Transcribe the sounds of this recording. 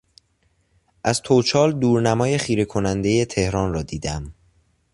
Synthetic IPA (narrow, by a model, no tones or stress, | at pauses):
ʔæzt̪ʰot͡ʃʰɒːld̪uːɾnæmɒːje̞χiːɾe̞kʰo̞nænd̪e̞je̞t̪ʰe̞hɾɒːnrɒːd̪iːd̪æm